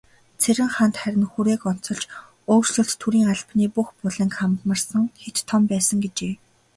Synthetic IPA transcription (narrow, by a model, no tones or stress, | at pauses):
t͡sʰeɾʲɪ̆ŋχant̪χæɾʲɪ̆nxuɾeːkɔn̥t͡sɞ̆ɬt͡ɕ | oːrsɵ̆ɬt̪t̪ʰːuɾiːŋaɮpniːpuxpʊɮə̆ŋkχamt̪mə̆rsə̆ŋxet̪ʰːɔmpæːsə̆ŋɡet͡ɕeː